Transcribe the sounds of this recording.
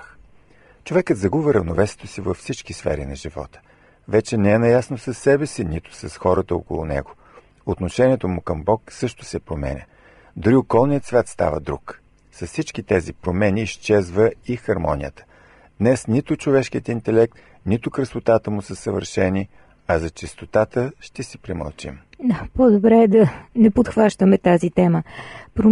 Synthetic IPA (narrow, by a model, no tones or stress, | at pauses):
t͡ʃovɛkət̪zɐɡuvəɾəvnovɛsɛ̥t̪osivəfsit͡ʃkisfɛ̰ɾinɐʒivɔ̰t̪ə̥ | vɛt͡ʃɛnɛɛnɐjasnosɐsːɛbɛsinit̪ʊ̥sɐsxɔɾət̪əo̰kʊlˠʊ̰nɛ̰ɡo | ot̪noʃɛniɛt̪omʊkəmbɔksɤʃt̪ʊ̥sɛpɾomɛ̰nʲə̰ | d̪oɾiokɔlˠnijət̪svʲjat̪st̪a̰vəd̪ɾuk | sɐssit͡ʃkit̪ɛzipɾomɛniːʃt͡ʃɛzvəixɐɾmɔnʲḭjət̪ə̥ | d̪̥nɛsnit̪ʊt͡ʃovɛʃkiət̪int̪ɛlɛk̚t̪ | nit̪ʊkɾəsot̪at̪əmʊsəsəvə̰ɾʃɛni | ɐzɐt͡ʃɛst̪ot̪at̪əʃt̪ɛsipɾɛmə̰lˠt͡ʃḭm | apod̪obɾɛd̪ɐnɛpot̪xvaʃt̪əmɛt̪azit̪ɛməpɾo